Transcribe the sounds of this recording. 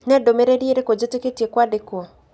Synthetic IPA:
nɛdomeɾeɾieɾekod͡ʒɪtɪketjekwadɪkwo

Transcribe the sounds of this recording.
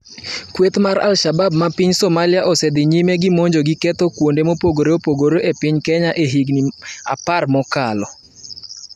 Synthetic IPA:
kwet̪maɾa̰lʃababmapiɲsɔmalɪaʔɔsɛd̪ɪɲimeɡɪmoɲd͡ʒoɡɪkɛt̪ɔkwondemopoɡoɾeopoɡoɾoʔepɪɲkɛɲaʔeɦiɡnia̰parmɔkalɔ

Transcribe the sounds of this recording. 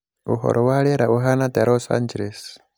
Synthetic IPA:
uɦɔ̰ɾʔɔwaɺɛɾauɦanat̪aɾɔsa̰nd͡ʒeles

